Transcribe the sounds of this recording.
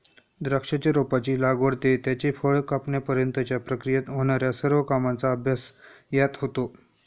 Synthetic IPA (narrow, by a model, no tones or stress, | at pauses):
d̪ɾəkʂat͡ɕaɾopat͡ɕiːlaɡʋəɽt̪et̪jat͡ɕefəɭkapɳjapəɾjənt̪ət͡ɕjapɾəkɾijat̪ɦoɽ̃aɾjasəɾʋəkamant͡saəbʱjas | jat̪ɦot̪o